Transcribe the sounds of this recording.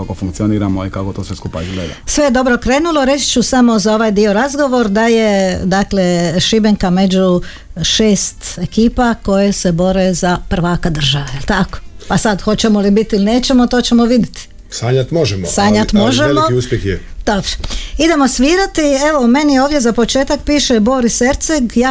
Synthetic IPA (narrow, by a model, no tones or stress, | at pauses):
kakofuŋk̚t̪sioniːɾamoikakot̪osʋeskupaizɡleːd̪a̰sʋe̞jed̪o̞bɾokɾe̞ːnuloɾe̞t͡ʃt͡ʃusamo̞zao̞ʋajd̪io̞ɾazɡo̞ʋo̞ɾd̪aje̞d̪akle̞ʃibeŋkame̞d͡ʒu | ʃeːst̪e̞kiːpako̞jese̞bo̞ɾezapr̩ʋaːkad̪r̩ʒaʋaelt̪ako̥pasad̪xo̞t͡ɕe̞molibit̪iilineːt͡ɕe̞mot̪o̞ːt͡ɕe̞moʋid̪it̪i̥ | saɲat̪moʒɛmo̰saːɲat̪moʒemouspjekjed̪̥obɾoid̪e̞mosʋiːɾat̪ie̞ʋo̞me̞nioːʋdjezapo̞t͡ʃe̞ːt̪ak̚piːʃebo̞ːɾiseɾt̪seɡja